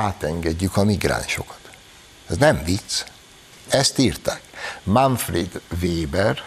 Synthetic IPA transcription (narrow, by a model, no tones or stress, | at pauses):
aːt̪ɛŋɡɛɟːykɒmiɡra̰ːnʃo̞̰kɒ̥t̪ | ɛznɛɱvit̪s | ɛst̪iːrt̪aːkmaɱfrid̪veːbɛr